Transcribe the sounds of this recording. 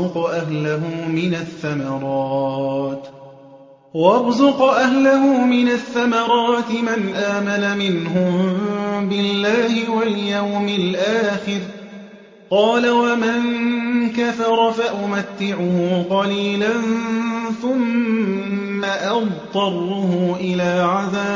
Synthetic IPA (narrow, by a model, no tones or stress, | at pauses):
ʊqɑʔahlaɦʊmɪnaθːamɑɾˤɑːt̪ | wɑbzʊqɑʔahlahʊːmɪnaθːamɑɾˤɑːt̪ɪmanʔaːmanamɪnɦʊmbɪlːaːhɪwaljawmɪlʔaːxɪɾ | qɑːlawamaŋkafɑɾˤɑfaʔʊmat̪ːɪʕʊhʊːqɑliːlanθʊmː | aʔɑbt̪ˤɑɾˤuhʊʔɪlaːʕaðaː